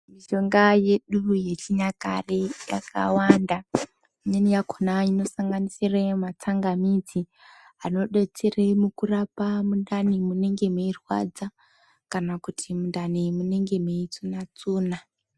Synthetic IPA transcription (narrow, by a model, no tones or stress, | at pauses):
miʃo̞ŋɡaje̞ɗuje̞t͡ʃiɲaka̰reja̰ka̰wanda | iɲenijakʰonaino̞saŋɡanisiremat͡saŋɡamid͡zi | ano̞ɗet͡siremukurapamundanimune̞ŋɡe̞meirwa̰d͡za | kanakutʰimundanimune̞ŋɡe̞meit͡sunat͡suːna